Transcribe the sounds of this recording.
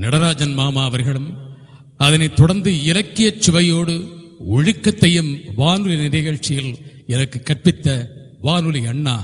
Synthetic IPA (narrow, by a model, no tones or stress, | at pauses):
nɐɽɐɾaːd͡ʒɐnmaːmaːʋɐɾɣɐɭɯm | ɐðɐnɐt̪ːʊɽɐɾnd̪ɯɪlɐkːɪjɐt͡ʃːʊʋɐjoːɽɯ | ʊɻɪkːɐt̪ːɐjɯmʋaːnɯlinɪɾɣɐɻt͡ʃːɪjɪlɛnɐkːɯkːɐrpɪt̪ːɐ | ʋaːnɯliɐɳːaː